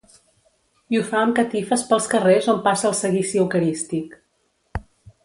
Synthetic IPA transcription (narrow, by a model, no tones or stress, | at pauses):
iufaəmkət̪ifəspəlˠskərezompasəːlˠsəɣisiəwkəɾist̪ik